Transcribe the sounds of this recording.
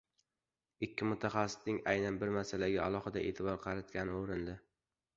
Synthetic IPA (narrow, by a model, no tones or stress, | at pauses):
ɪkʲʰːɪmʊt̪ʰaχɑsːɪ̥snɪŋajnanbɪɾmasalaɡʲaalˠɒχɨd̪aʔe̞̰ːt̪ʰɪbɒɾqʰɑɾat̪̚kʲanɪoɾɪnd̪ɪ